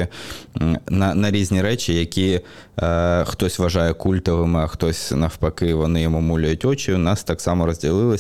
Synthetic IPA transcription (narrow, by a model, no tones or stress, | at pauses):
ɪ | nɐnɐɾʲizʲnʲiɾɛt͡ʃʲɪjɐkʲi | xt̪ɔsʲʋɐʒɑjɛkulʲt̪ɐʋɪmɪɐxt̪ɔsʲnɐfpɐkɪʋɔnɪjɔmumulʲɛjʊtʲɔt͡ʃʲiʊnɑst̪ɑksɑmɐɾɔzʲdʲilˠɪlˠɪ